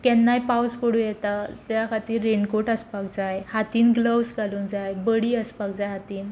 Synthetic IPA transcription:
kɛnːajpawspəɽũjɛt̪at̪jakʰat̪iːɾːeɳɖkoʈəspak̚d͡zajhat̪iːnɡləwsɡʱaluːnd͡zajbəɽiːəspak̚d͡zajɦat̪iːn

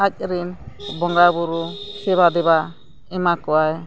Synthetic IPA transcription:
ac̚ɾimbɔŋɡabuɾusɛβad̪ɛba | ɛmakɔaj

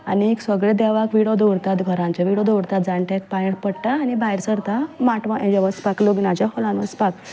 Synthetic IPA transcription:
anieksʋəɡɭed̪ɛʋakʋiɽɔd̪oɽt̪at̪ɡʱəɾãnt͡ɕaʋiɽɔd̪oɽt̪at̪̚d͡zãɳʈek̚pajeɽpəɽʈ̪aːnibajɾsəɾt̪amaʈʋãʔẽd͡ʑaʋəspakloɡnad͡ʑafɔlãnʋəspak

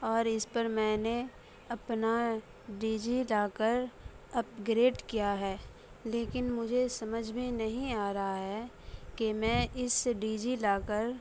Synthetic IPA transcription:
ɔːɾɪspɐɾmɛ̃ːne | ɐpna | ɖiːd͡ʒilaːkəɾ | ɐp̚ɡɾeːɖkijaɦɛː | leːkɪnmʊd͡ʒʱesɐməd͡ʒʱmẽnɐɦĩaːɾɐɦaɦɛː | kemɛ̃ːʔɪsɖiːd͡ʒilaːkəɾ

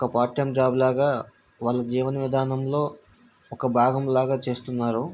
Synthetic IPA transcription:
ɔkɐpaːʈjɐmd͡ʒaːblaːɡaː | ʋaːlːɐd͡ʒiːʋɐnɐʋid̪ʱaːnɐmlo̞ː | ɔkɐbʱaːɡɐmlaːɡaːt͡ʃe̞ːst̪unːaːɾu

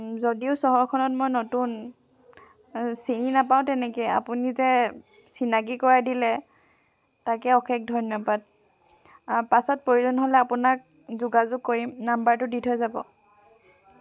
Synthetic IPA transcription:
zodiʊsɔɦɔɹkʰɔnɔt̚mojnotun | sininapaw̃tɛnɛkeja̰punizɛ | sinaɡikɔɹadilɛ | takɛɔxʰɛk̚dʱɔnjɔbad̚ | pasɔt̚poɹuzɔnɔɦolɛapʊnak̚ | zuɡazʊɡ̚koɹimnambaɹtʊditʰojzabɔ̰

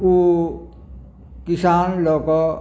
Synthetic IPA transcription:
u | kisaːnlɔːkɔ

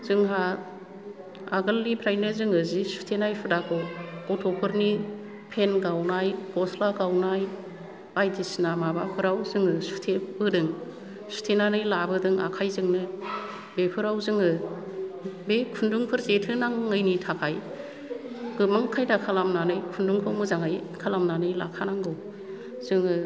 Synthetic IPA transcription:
zɯŋɦa | aɡɯlːipʰɾajnɯzɯŋɯzisu̥tʰenajpʰɯdakʰɔkɔtʰɔpʰɯɾni | pʰenɡawnajkɔslaɡawnaj | ajtʰisnamabapʰɯɾawzɯŋɯsu̥tʰebɯdɯŋ | su̥tʰenanɯjlabɯdɯŋa̰kʰajzɯŋnɯ | bepʰɯɾawzɯŋɯ | bekʰunduŋpʰɯɾzetʰɯnaŋːɯjnitʰakʰaj | ɡɯmaŋkʰajdakʰalamnanɯjkʰunduŋpʰɔmɯzaŋɯjkʰalamnanɯjla̰kʰanaŋɡɔ | z̥ɯŋɯ

